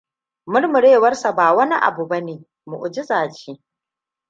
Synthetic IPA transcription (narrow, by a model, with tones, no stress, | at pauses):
mʊ˦rmʊ˨ɽeː˦˨wɐ˦rsa˨baː˨wɐ˦ni˦ʔa̰˨bu˨bɐ˦neː˨ | mu˨ʔʊ˨d͡ʒɪ˦zaː˨t͡ʃeː˦